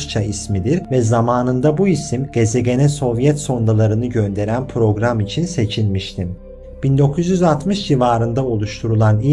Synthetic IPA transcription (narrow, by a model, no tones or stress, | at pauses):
t͡ʃʰaismid̪iɾvɛzamaːnɯnd̪abuisimɟe̞ze̞ɟe̞nɛso̞vjɛt̪so̞nd̪alˠaɾɯnɯɟønd̪e̞ɾænpʰɾo̞ɡɾamit͡ʃʰinse̞t͡ʃʰinmiʃt̪ʰim | b̥ind̪o̞kʰuzjyzalˠt̪mɯʃd͡ʒivaːɾɯnd̪ao̞lˠuʃt̪ʰuɾulˠani